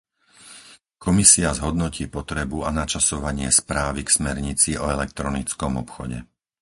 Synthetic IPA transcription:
kɔmisiazɦɔd̪nɔciːpɔt̪ɾɛbuanat͡ʃasɔʋaɲɪɛspɾaːʋiksmɛɾɲit͡siɔɛlɛk̚t̪ɾɔnit͡skɔmɔpxɔɟɛ̰

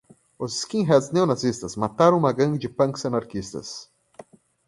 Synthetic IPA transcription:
ʊzɪ̥skĩɦɛd̪sneonazist̪ɐsmat̪aɾɐ̃ũmɐɡɐ̃nd͡ʒɪpɐ̃ŋksɐnaɾkist̪ɐ̰s

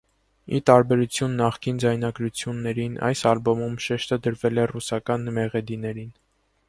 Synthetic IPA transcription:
it̪ɑɾbɛɾut͡sʰjunːɑχkind͡zɑjnɑɡɾut͡sʰjunːɛɾinʔɑ̰jsɑlbɔmumʃɛʃt̪əd̪əɾvɛlɛrusɑkɑnmɛʁɛd̪inɛɾin

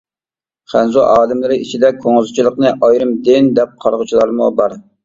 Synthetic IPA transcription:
χænzuʔɑːd̪ɨmlˠɨɾɪʔit͡ʃʰid̪ɛkʰoŋɨzt͡ʃʰilˠəqnɨʔɑjɾɨmd̪ɪnd̪ɛp̚qʰɑɾʁət͡ʃʰilˠɑɾmubɑɾ

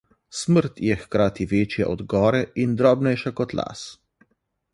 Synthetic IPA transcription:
sməɾt̪jɛxkɾaːt̪iʋeːt͡ʃjɛ̰ʔɔd̪ɡɔːɾɛind̪ɾɔːbnɛjʃakɔt̪la̰ːs

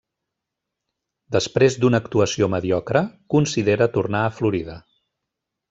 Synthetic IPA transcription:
d̪əspɾezd̪unəːkt̪uəsioməðiɔkɾəkunsiðeɾət̪urnaəfluɾiðə

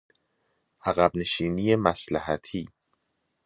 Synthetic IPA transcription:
ʔæɣæbne̞ʃiːniːje̞mæslæɦæt̪ʰiː

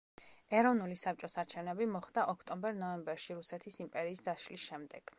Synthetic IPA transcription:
ɛɾɔvnulisap̚t͡ʃʼɔsaɾt͡ʃʰɛvnɛbimɔχd̪aʔɔkʰt̪ʼɔmbɛɾnɔɛmbɛɾʃiɾusɛt̪ʰisimpʼɛɾiːsd̪aʃlisʃɛmd̪ɛɡ̥

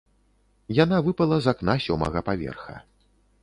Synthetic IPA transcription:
jan̪avɨpɐlˠɐzaknasʲɔmɐ̰ɣɐpavʲɛ̰rxɐ̰

